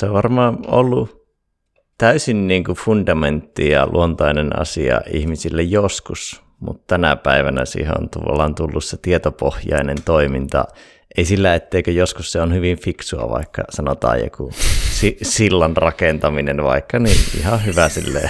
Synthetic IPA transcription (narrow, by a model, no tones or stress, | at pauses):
seoʋʋɑrmɑːnolːu | t̪æysinniːŋkufundɑment̪ːijɑ̰lʔṵont̪ɑinenɑ̰siɑ̰ʔḭhmisilːejoskus | mṵt̪t̪ænæ̰pæiʋænæ̰sḭːhḛo̰nt̪ṵlːɑnt̪ulːusset̪iet̪opohjɑ̰inent̪oimint̪ɑ̰ | ʔeisilːæet̪ːeikøjoskusseonhyʋiɱfiksuɑ̰ʋɑ̰ikːɑsɑnot̪ɑ̰ːjjo̰kusisilːɑnrɑkent̪ɑminenʋɑ̰ikːɑniḭhɑhyʋæsḭlːḛ